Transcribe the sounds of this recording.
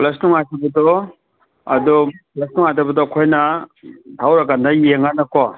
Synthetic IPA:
plɐsnuŋatabɐdɔ | ɐ̰dɔplɐsnuŋatabɐdɔːkʰojna | tʰawɾakandajeŋanakɔ

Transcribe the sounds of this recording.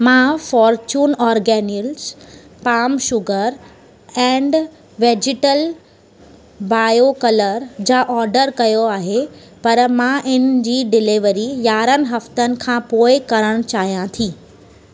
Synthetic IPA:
mãːfɔːɾt͡ɕuːnɔːɾɡɛːnəls | paːmʃʊɡəɾ | ɛ̃ːɳɖ | ʋeːd͡ʑɪʈəl | baːjokɐləɾd͡ʑaːʔɔːɾɖəɾkɐjoaːɦe | pɐɾmãʔɪnɪ̆d͡ʑiːɖɪlɪʋɾijaːɾənɪ̆ɦɐft̪ənɪ̆kʰãːpoːɪkɐɾəɽ̃t͡ɕaːɦijãt̪ʰiː

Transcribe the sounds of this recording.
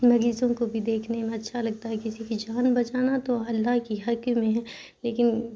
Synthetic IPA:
mɐɾiːzõkobʱid̪eːkʰnemẽɐtːʃʰalɐɡ̚t̪aɦɛkɪsikid͡ʒaːnbɐt͡ʃaːnat̪oɐlːaɦkiɦɐkmẽɦɛ̃ː | leːkɪn

